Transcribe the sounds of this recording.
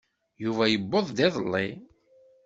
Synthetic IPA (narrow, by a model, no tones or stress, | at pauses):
juvæjəbːoðˤd̪ɪðˤəlːi